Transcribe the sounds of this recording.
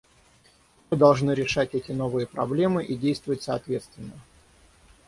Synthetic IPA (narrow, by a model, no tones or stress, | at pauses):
mɨd̪ɐlˠʐnɨɾʲɪʂatʲɛtʲɪno̞vɨjəpɾɐblʲe̞mɨʔidʲejst̪vəvətʲsɐːt̪vʲe̞t̪st̪vʲɪnːə